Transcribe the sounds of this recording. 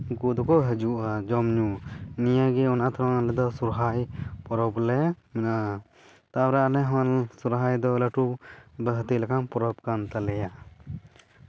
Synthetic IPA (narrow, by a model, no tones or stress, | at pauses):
kud̪ɔkɔɦɛd͡ʒuʔad͡ʒɔmɲunijaɡɛɔnat̪ʰɾanalɛd̪ɔsuɾɦajpɔɾɔblɛmɛna | t̪aɾaanɛɦansuɾɦajd̪ɔləʈubəɦt̪ilakʰanpɔɾɔb̚kant̪alɛja